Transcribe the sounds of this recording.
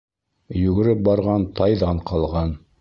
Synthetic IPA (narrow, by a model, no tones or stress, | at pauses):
jɵ̆ɡɘ̆ɾɘp̚bɑɾʁɑnt̪ʰɑjðɑɴqɑlˠʁɑn